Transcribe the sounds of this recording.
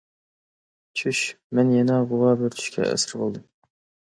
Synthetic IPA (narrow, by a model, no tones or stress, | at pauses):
t͡ʃʰyʃ | mɛnjɛnɑʁʊwɑːbɪɾt̪ʰy̥ʃkʲʰɛ̰ʔæ̰sɪɾbolˠd̪ɨm